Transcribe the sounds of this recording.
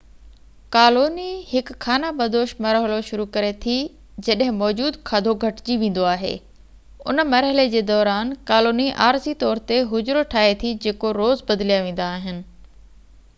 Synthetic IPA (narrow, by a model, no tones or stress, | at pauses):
kaːloːnihɪkkʰːaːnabɐd̪oːʃmɐɾɦəloʃʊɾukɐɾet̪ʰi | d͡ʑɐɗɦɪ̃mɔːd͡ʑuːd̪kʰaːd̪ʱoɡʱɐʈd͡ʑiʋẽːn̆d̪oaːɦḛː | ʊ̰nəmɐɾɦəled͡ʑeːd̪ɔːɾaːnkaːloːniʔa̰ːɾsit̪ɔːɾt̪eɦʊd͡ʑɾoʈʰaːɦet̪ʰid͡ʑeːkoɾoːzbɐd̪lijaʋẽːn̆d̪aːɦɪnɪ̆